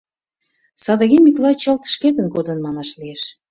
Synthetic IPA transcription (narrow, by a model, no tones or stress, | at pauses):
sɑd̪ə̆ɣʲemiklɑt͡ɕə̆lt̪ə̥ʃket̪ə̆nkod̪ə̆nmɑnɑʃlieʃ